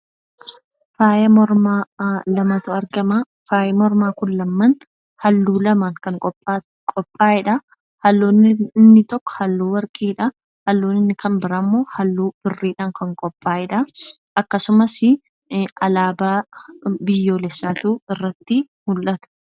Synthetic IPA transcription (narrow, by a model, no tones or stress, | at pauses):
faːjɐmɔɾmaːlɐmɐt̪ʊɐɾɡɐmɐ | faːjɛmɔɾmaːkʊnːɐmːɐn | hɐlːuːlɐmɐŋkɐŋkʼɔpʼːa | kʼɔpʼːaːɪᶑɐ | hɐlːoːnːɪnːɪt̪ɔkːɔ̥hɐlːuːwɐɾkʼiːᶑɐ | hɐlːuːnɪnːɪkɐmbɪɾaːmːo̞ːhɐlːuːb̥ɪrːiːᶑaːŋkɐŋkʼɔpʼːaːʔɪᶑɐ | ʔɐkːɐsʊmɐsɪ | ɐlaːbaːbɪjːo̞ːlɛsːaːt̪uːɪrːɐt̪ːɪ | mʊlʔɐt̪ɐ̥